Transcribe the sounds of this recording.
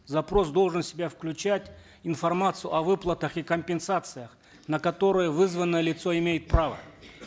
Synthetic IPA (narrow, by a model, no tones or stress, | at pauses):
zɐpɾo̞s̬d̪o̞lˠʐɨnsʲɪbʲafklʲʉt͡ɕætʲ | ɪnfɐrmat̪sɨjʊ̰ʔɐvɨplˠət̪əxikəmʲpʲɪnsat̪sɨjəx | nəkɐt̪o̞ɾɨjəvɨzvənːəjəlʲɪt̪so̞ɪmʲejɪt̪̚pɾavə̰